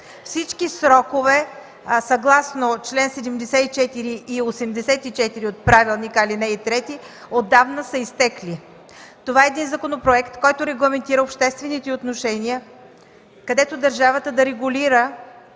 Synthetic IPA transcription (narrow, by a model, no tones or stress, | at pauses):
fsit͡ʃkisɾɔkovɛ | sɐɡlˠasnot͡ʃlɛnsɛd̪ɛmd̪ɛsɛt̪it͡ʃɛt̪iɾiiosɛmd̪ɛsɛt̪it͡ʃɛt̪iɾiot̪̚pɾavilˠnikalinɛit̪ɾɛt̪i | od̪ːavnəsəist̪ɛkli | t̪ovaɛːd̪inzɐkonopɾoɛkt̪kɔjt̪oɾɛɡlˠɐmɛnt̪iɾəopʃt̪ɛst̪vɛnit̪ɛot̪noʃɛniə | kɐd̪ɛt̪od̪ɐɾʒavət̪əd̪ɐɾɛɡʊliɾə